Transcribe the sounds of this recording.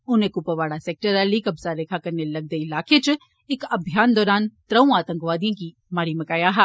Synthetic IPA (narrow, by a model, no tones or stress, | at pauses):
ʊnẽkupəʋaːɽaseːk̚ʈəɾalikɐbsaɾeːkʰakɐɾnelɐɡ̚d̪əilaːkʰet͡ʃ | ɪkɐbʱjaːnd̪ɔːɾaːnt̪ɾɐũaːt̪ə̃ŋkʋaːd̪ijõki | maːɾiməkaːjaɦɛ